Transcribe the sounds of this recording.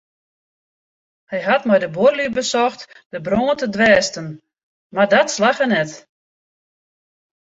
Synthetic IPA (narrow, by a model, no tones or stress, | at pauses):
hɛjɦatmɛjdəborlibəsɔxt | dəbroːəntədʋɛːstən | mardɔtslaxənɛt